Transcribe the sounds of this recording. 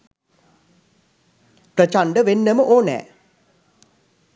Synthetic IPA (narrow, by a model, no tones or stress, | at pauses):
prət͡ʃaɳɖəʋenːəməʔoːnɛ̰ː